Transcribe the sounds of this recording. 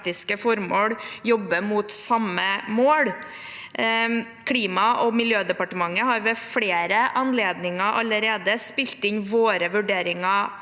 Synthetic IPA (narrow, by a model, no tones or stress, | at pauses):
t̪ɪskəfɔɾmoːɽjɔbːəmut̪sɑmːəmoːɽ | kʰliːmɑʔɔmɪljøːd̪ɛpɑʈəmɑŋːəɦɑɾʋɛfɽeːɾəʔɑnleːd̪nɪŋɑʔɑləɾeːd̪əspɪlt̪ɪnʋoːɾəʋʉɖeːɾɪŋɑ